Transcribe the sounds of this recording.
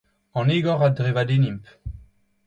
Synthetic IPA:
ɑ̃neɡɔʁadʁevad̪enimp

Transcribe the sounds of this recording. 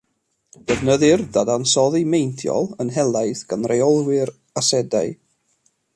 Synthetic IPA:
d̥əvnəðɨrðadansɔðimejnθʰjɔ̰lˠənɦɛlˠajθɡ̥anrejɔlˠwɪr | asɛdaɨ

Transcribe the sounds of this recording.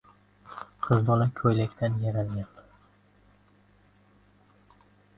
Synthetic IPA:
qʰɨzd̪ɒlakʲʰɵjlakʲt̪ʰanjaɾalɡʲan

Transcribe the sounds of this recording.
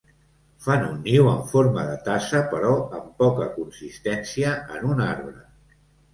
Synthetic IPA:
fanunːiwəɱfoɾməðət̪asəpəɾɔəmpɔkəkunsist̪ɛnsiəə̰nunaɾβɾə

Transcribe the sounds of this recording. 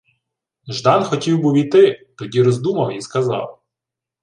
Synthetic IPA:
ʒd̪ɑnxɔtʲiwbuwʲijt̪ɪt̪ɔdʲiɾɔzd̪umɐwiskɐzɑ̰w

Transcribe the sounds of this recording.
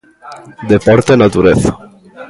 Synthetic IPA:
d̪epoɾt̪enat̪uɾeθḁ

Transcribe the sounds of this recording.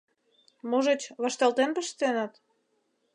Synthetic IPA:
muʒet͡ɕβɑʃt̪ɑlt̪enpəʃt̪enɑt̪

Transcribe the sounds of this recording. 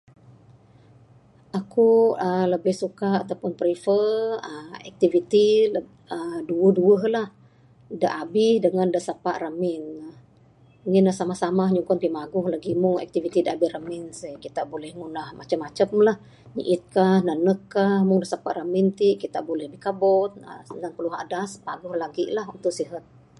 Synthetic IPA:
ʔakuələbɪhsukaat̪awpʊnpɾifəəɛ̰k̚t̪ivit̪i | əduəhduəɦlah | dəʔabɪhdəŋandəsapaʔramɪn | ŋɪnlahsamahsamahɲuŋkɔnpimaɡʊhlaɡimʊŋɛ̰k̚t̪ivit̪idəabɪhramɪnsəjkit̪aʔbolɛhŋunahmʔat͡ʃamat͡ʃəpmlah | ɲḭʔɪt̪̚kahnanəkːahmʊŋdəsapaʔramɪnt̪iʔkit̪a̰ʔbolɛhbikabɔt̪̚ə̰sənaŋpəluɦa̰daspa̰ɡʊhlaɡiʔlaɦunt̪ʊʔsiɦat̪̚

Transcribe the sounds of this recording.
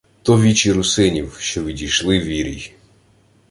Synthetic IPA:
t̪ɔʋʲit͡ʃiɾʊsɪnʲiwʃt͡ʃɔʋʲidʲijʃlˠɪʋʲiɾʲḭj

